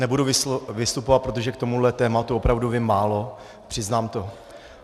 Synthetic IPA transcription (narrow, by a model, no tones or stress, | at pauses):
nɛbuduvɪvɪst̪upovat̪̚pɾo̞t̪o̞ʒɛk̚t̪o̞mudlɛt̪ɛːmat̪uopɾavduvɪmːaːlo̞ | pr̝̥ɪznaːmt̪o̞